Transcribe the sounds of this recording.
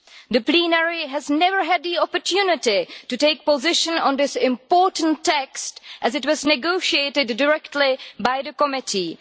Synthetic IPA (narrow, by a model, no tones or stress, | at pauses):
d̪əplinɛɹiɦæznɛvəɹɦæd̪̚ðiɔpətʰjunɪtituteɪk̚pəzɪʃə̃nɔ̃nd̪ɪsɪ̃mpɔːɹtə̃n̩tʰːɛkstʔæzɨtwɔznɪɡoʊʃieɪtɨdːəɹɛktʰlibaɪðəkɔmɪtʰi